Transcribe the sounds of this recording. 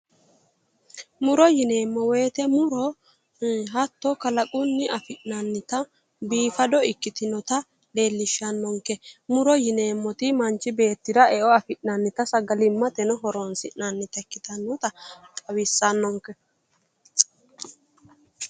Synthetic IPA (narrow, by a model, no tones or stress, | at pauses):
mʊɾɔjɪne̞ːmːɔweːt̪ɛmʊɾɔ | ɦɐt̪ːɔkɐlɐkʼʊnːɪʔɐfɪʔnɐnːɪt̪ɐ | biːfɐd̪ɔɪkːɪt̪ɪnɔt̪ɐ | le̞ːlːɪʃːɐnːɔŋkɛmʊɾɔjɪne̞ːmːɔt̪ɪmɐnt͡ʃːɪbe̞ːt̪ːɪdɐɛʔɔɐfɪʔnɐnːɪt̪ɐsɐɡɐlɪmːɐt̪ɛnɔɦɔɾɔnsɪʔnanːɪt̪ɐɪkːɪt̪ɐnːɔt̪ɐkʼɐwɪsːɐnːɔŋkɛ